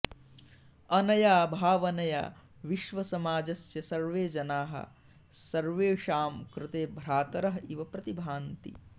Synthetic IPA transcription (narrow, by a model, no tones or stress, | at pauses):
ɐnɐjaːbʱaːʋɐnɐja̰ː | ʋiʃʋɐsɐmaːd͡ʒɐsjɐsɐɾʋeːd͡ʒɐnaːɦɐ̰ | sɐɾʋeːʃaːmkɾɪt̪eːbʱɾaːt̪ɐɾɐɦɐiʋɐpɾɐt̪ibʱaːnt̪ḭ